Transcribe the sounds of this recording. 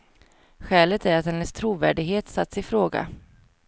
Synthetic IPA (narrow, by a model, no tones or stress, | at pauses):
ɧɛːlət̪ʰæɾat̪hɛnːəst̪ʰɾuːvæːɖɪɡɦeːt̪sat̪ːsɪfɾoːɡa̰